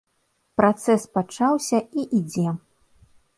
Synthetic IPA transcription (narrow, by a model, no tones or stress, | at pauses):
pɾat̪sɛspat͡ʂawsʲɐiʔid͡zʲɛ